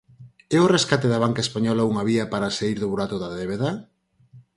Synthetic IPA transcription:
ɛʊreskat̪eðɐβ̞aŋkaespaɲɔlauŋɐβiɐpaɾasaiɾðʊβuɾat̪ʊðaðeβeða

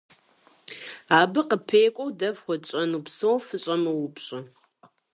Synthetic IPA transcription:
aːbɨqəpʰeːkʷʼɔwdɐvχʷɔt͡ʃʼɐnupsowfɨɕʼɐmɐwʊpɕʼɐ

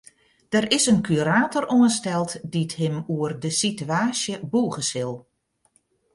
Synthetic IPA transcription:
d̥əɾɪsənkʰyɾaːtoroənstɛlˠtdithɪmuərdəsityaːsjəbuːɣəsɪlˠ

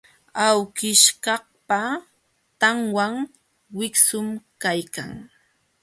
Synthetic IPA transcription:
awkɪʃkɑhpa | t̪aŋwaŋ | wɪksʊmkajka̰ŋ

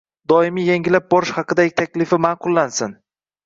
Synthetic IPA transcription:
d̪ɒɪmijeŋʲɪlap̚bɒɾɪʃhɑqɨd̪aɡʲɪt̪ʰakʲlɪfɪmaːqʊlˠːansɪn

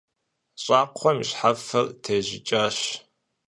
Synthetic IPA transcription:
ɕʼaːqʷʰɔmɕħafɐrtʰeːʑɪt͡ʃʼaːɕ

